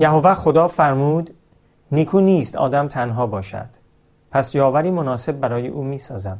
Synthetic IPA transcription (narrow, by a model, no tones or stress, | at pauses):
jæɦovæχo̞d̪ɒːfæɾmuːd̪ | niːkʰuːniːst̪ʰɒ̰ːd̪æmt̪ʰænɦɒːbɒːʃæ̰d̪̥ | pʰæsjɒːvæɾiːmonɒːse̞b̚ːæɾɒːjḛʔuːmiːsɒːzæm